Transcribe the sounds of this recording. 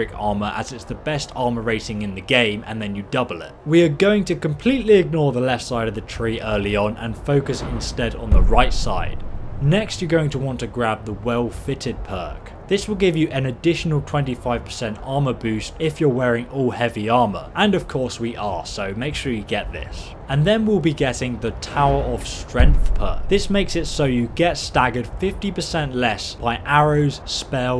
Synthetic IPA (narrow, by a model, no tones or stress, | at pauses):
ɪkɑ̰ɹməʔə̰zɨtsðəbɛstʰɑɹməɹeɪɾɪ̃ŋɨ̃nðɨɡẽɪ̃mɨ̰̃nðɨ̃njɨdʌbl̩ˠɪ̰t̚wiəɡoʊɪ̃ŋtʰɨkə̃mpʰl̥iʔˡliɪɡ̚nɔɹðəlɛftsaɪɾʌvðɨtʰɹ̥iʔɜ˞lˠiə̃nə̰̃nfoʊkɨsɪ̰̃nstɛɾn̩ðəɹaɪtsa̰ɪd̥̚nɛkst͡ʃə˞ɡoʊɪ̃ŋtʰəwɑ̃ntʰɨɡɹæb̚ðəwɛlˠfɪɾɪd̚pʰɜ̰ˑ˞k | ðɪswəlˠɡɪvjɨʔɨ̃nɨdɪʃənəlˠtʰw̥ɛ̃ntifaɪv̥pʰə̥sɛ̃ntɑɹməbʉˑstɪfjə˞wɛːɹɪ̃ŋɔlˠhɛviɑɹmə̰˞ʔə̃nʌv̥kʰɔɹswiʔəsoʊmeɪkʃʊːɹjɨɡɛʔ̪̚ðɪ̰s | ə̃nðə̃nwɪlˠbiɡɛɾɪ̃ŋðətʰaʊəɹəv̥stɹ̥ɛ̃ŋk̚θpʰɜ̰ˑ˞k̚ðɪsmeɪksɨtsoʊjɨɡɛtstaɡə˞d̥fɪftipʰəsɛ̃nʔlɛsb̥aɪʔaɹəʊz̥spɛlˠ